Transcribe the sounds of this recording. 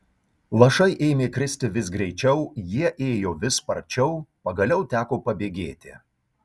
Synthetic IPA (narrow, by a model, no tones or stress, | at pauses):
lˠɐʃɐɪʔeːɪmʲeːkɾʲɪsʲt̪ʲɪʋʲɪs̬ɡɾʲɛɪt͡ʃʲɛʊjiɛʔeːjoːʋʲɪspɐɾʲt͡ʃʲɛʊpɐɡɐlʲɛʊt̪ʲæːkoːpɐbʲeːɡʲeːt̪ʲɪ̰